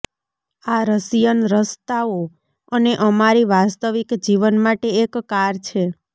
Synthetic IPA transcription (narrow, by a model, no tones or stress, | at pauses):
aɾəsijənɾəst̪ao | əneʔəmaɾiʋast̪əʋikd͡ʒiʋənmaʈeːkːaɾt͡ʃʰe